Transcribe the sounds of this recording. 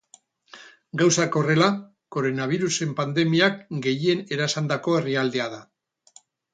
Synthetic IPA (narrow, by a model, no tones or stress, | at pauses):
ɡawsako̞re̞la | ko̞ɾo̞naβ̞iɾuse̞mpand̪e̞miakɡe̞jie̞ne̞ɾasand̪ako̞e̞riald̪e̞aða